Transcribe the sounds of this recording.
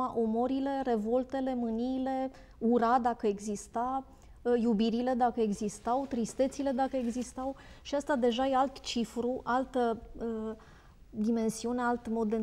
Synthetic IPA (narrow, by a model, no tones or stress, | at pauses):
aʔomoɾile̞re̞vo̞lt̪e̞le̞mɨniːle̞ | uɾad̪akəeɡzist̪a | jubiɾile̞d̪akəeɡzist̪awt̪ɾist̪e̞t̪sile̞d̪akəe̞ɡzist̪aw | ʃiast̪ad̪e̞ʒajealt̪t͡ʃifɾuʔalt̪əə | d̪ime̞nsiunealt̪mo̞d̪ːe